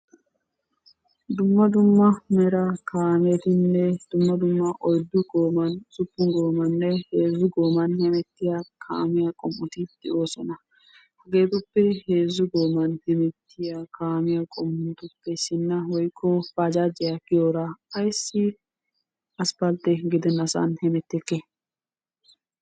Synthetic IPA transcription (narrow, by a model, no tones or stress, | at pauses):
d̪ʊmːɐd̪ʊmːɐmɛɾɐkʰaːmɛt̪ɪnːɛd̪̥ʊmːɐd̪ʊmːɐʔɔjd̪ːʊɡo̞ːmɐnzʊpːʊŋɡo̞ːmɐnːɛheːzːʊɡo̞ːmɐnjɐmɛt̪ːɪjakʰa̰ːmɪjɐkʼɔmːʊt̪ɪd̪̥ɛʔo̞ːsɔnɐ | hɐɡe̞ːt̪ʊpːɛheːzːʊɡoːmɐnd̪̥ɪmɛt̪ːɪjakʰaːmɪjɐkʼɔmːʊnt̪ʊpːɛsɪnːɐwɔjkʰːɔfad͡ʒaːd͡ʒɪjɐkɪjoːɾaɐjsːɪ | ɐspɐlt̪ːɛɡɪd̪ɛnːɐsɐ̰nhɛmɛt̪ːɛkːɛ